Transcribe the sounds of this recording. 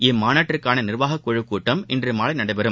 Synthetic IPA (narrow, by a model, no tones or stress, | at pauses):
ɛmaːnaːʈːrɪɾkːaːnɐnɪrʋaːɣɐkːɔɻɯkːuːʈːɐmʔɛndrɯmaːlɐɪnɐɽɐɪbɐɾɯm